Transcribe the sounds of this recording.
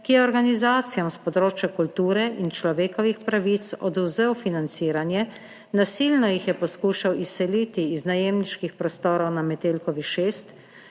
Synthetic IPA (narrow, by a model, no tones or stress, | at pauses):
kijɛɔɾɡanizaːt̪sijamspɔd̪ɾoːt͡ʃjakult̪uːɾɛʔint͡ʃlɔʋeːkɔʋixpɾaʋit̪sɔ̰d̪uwzewfinant̪siːɾanjɛ | nasiːlnɔjixjɛpɔskuːʃawisːɛliːt̪iːznajeːmniʃkixpɾɔst̪oːɾɔwnamɛt̪eːlkɔʋiʃeːst̪